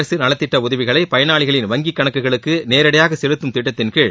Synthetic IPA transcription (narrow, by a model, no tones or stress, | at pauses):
ɾɐsɯnɐlɐt̪ːɪʈːɐʊðɐʋɪɣɐɭɐɪpɐjɐnaːɭɪɣɐɭɪnʋɐŋɡikːɐɳɐkːɯɣɐɭɯkːɯneːɾɐɽɐjaːɣɐsɛɻɯt̪ːɯmt̪ɪʈːɐt̪ːɪnkɯɭ